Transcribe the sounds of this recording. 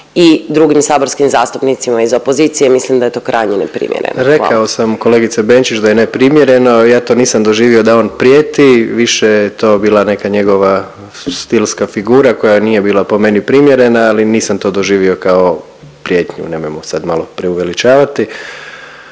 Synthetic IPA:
id̪ɾuɡimsaːboɾskimzaːst̪upnit̪simaizo̞pozit̪sijemislimd̪aet̪o̞ːkɾʔa̰jɲinḛpɾḭmjḛɾḛnɾḛkaosamko̞le̞ːɡit̪sebent͡ʃit͡ʃd̪ajenepɾimje̞ɾe̞nojaːt̪o̞niːsamd̪oʒiːʋio̞d̪ao̞ːnpɾjeːt̪iʋiʃejjet̪o̞ːbiːlˠane̞kaɲe̞ɡo̞ʋa | st̪ilskafiɡuːɾako̞janijebiːlˠapo̞me̞nipɾimjeɾe̞naaliniːsamt̪o̞ːd̪o̞ʒiːʋio̞kao̞ | pɾjeːt̪ɲṵne̞mojmosad̪malo̞pɾeuʋe̞lit͡ʃaːʋat̪i

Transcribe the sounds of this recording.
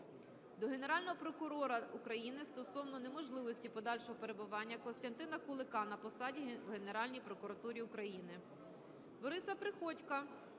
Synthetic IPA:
d̪ɔɦe̞neɾɑlʲnɔɦɔpɾɔkʊɾɔɾɐukɾɐjinɪst̪ɔsɔwnɔnemɔʒlˠɪʋɔsʲtʲipɔd̪ɑlʲʃɔɦɔpe̞ɾebʊʋɑnʲːɐkɔnst̪ɐnt̪ɪnɐkʊlˠɪkɑnɐpɔsɑdʲiwɦe̞ne̞ɾɑlʲnʲijpɾɔkʊɾɐt̪uɾʲiʊkɾɐjinɪ | bɔɾɪsɐpɾɪxɔtʲkɐ

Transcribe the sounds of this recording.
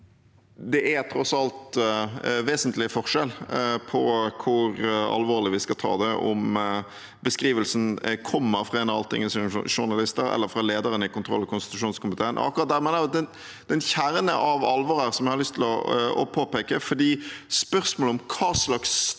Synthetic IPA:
d̪ɛʔɛt̪ʰɾɔsɑlt̪ | ʋeːsənt̪lɪəfɔʁʂɛlpʰɔkʰʊɾɑ̰lʋoːɾlɪʋiskɑt̪ʰɑ̰ːd̪ɛʔɔ̰m | bəskɾiːʋəlsn̩kʰɔmːəɾfʁɑɛnɑ̰lt̪ʰɪ̰ŋːənsɔʂʊɾnɑlɪst̪əɾɛ̰lːəɾfɾɑleːd̪əɾənəɪkʊnt̪ʰɾɔ̰lːɔkʰʊnst̪ɪ̥t̪ʉʂuːnskʊmɪt̪ʰeːənʔɔ̰ɑ̰kːʊɾɑt̪̚d̪æɾmɛnəd̪ɛn | d̪̥ɛnçæɾənə̰ʔɑʋɑlʋɔɾəɾsɔmɪhɑlʏst̪ʰɪlɔ̰ɔ̰pʰoːpeːkəfɔd̪iːspœʁsmoːləɔmkʰɑːslɑks

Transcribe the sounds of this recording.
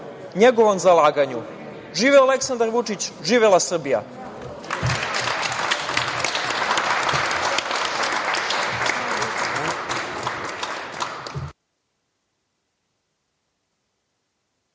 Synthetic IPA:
ɲeɡoʋo̞mzalaːɡaɲu | ʒiːʋeoale̞ksand̪aɾʋut͡ʂit͡ɕʒiːʋelˠasr̩bija̰

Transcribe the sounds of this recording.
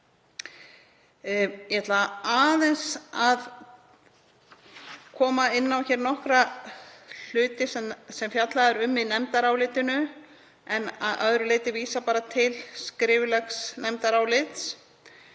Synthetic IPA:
jɛɦɛt̪laaːðɛnsað | kʰɔːmaɪnːawçɛːɾnɔhkɾa | l̥ʏːt̪ɪsɛsɛmfjat̪laðɛɾʏmːinɛmt̪aɾawlɪt̪ɪnʏ | ɛna̰ðœ̰ðɾʏleːt̪ɪviːsapaːɾat̪ʰɪlskɾɪːvlɛxsnɛmt̪aɾawlɪt̪s

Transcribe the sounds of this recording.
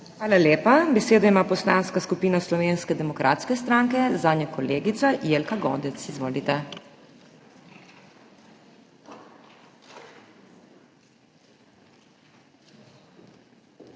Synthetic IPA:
xʋaːlaleːpabɛseːd̪ɔimaːpɔslaːnskaskupiːnaslɔʋeːnskɛd̪ɛmɔkɾʔa̰ːt̪skɛst̪ɾaŋkɛzaːnʲakɔleːɡit̪sajeːlkaɡɔːd̪ɛt̪sizʋoːlit̪ɛ

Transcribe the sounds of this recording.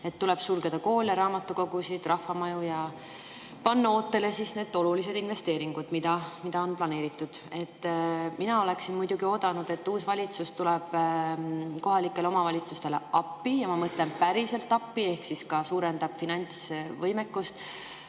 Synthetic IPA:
e̞t̪ːule̞b̥sulɡed̪̥ɑko̞ːleɾɑːmɑt̪ːuko̞ɡ̥usid̪̥rɑhɑmɑjujɑ | pɑnːɑo̞ːt̪ːe̞le̞sisne̞ːd̪̥o̞lulise̞d̪̥inve̞st̪e̞ːɾiŋɡ̥ud̪̥mid̪̥ɑmid̪̥ɑo̞nplɑne̞ːɾit̪ːˑud̪̥e̞t̪ːminɑo̞le̞ksinmujd̪̥uɡio̞ːd̪̥ɑnud̪̥e̞t̪ːuːsvɑlʲit̪sust̪ulɛb̥ | ko̞ɦɑlikːˑe̞leo̞mɑvɑlʲit̪sust̪e̞lḛɑpːijɑmɑmɤt̪le̞npæɾise̞lt̪ːɑpːie̞hksiskɑsuːɾe̞nd̪̥ɑb̥finɑnʲtsvɤjme̞kːust̪

